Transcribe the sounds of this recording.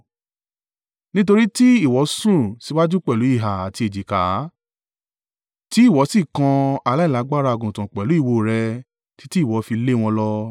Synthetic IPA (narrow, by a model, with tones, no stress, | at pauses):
nĩ˦t̬o˧ɾi˦ti˦i˦˨wɔ˨˦sũ˦˨si˨˦wa˦d͡ʒu˦k͡pɛ˦˨lu˨˦i˦˨ɦa˨a˨ti˧e˨d͡ʒi˨ka˨˦ | ti˨˦i˦˨wɔ˨˦si˦˨kã˧a˧la˦i˦˨la˨˦ɡ͡ba˦ɾa˧˨ɡũ˨tã˨k͡pɛ˨lu˨˦i˦˨wo˧˨ɾɛ˧ | ti̥˦ti˦˨wɔ˨˦fi˧le˦˨w̃ɔ̃˧lɔ˦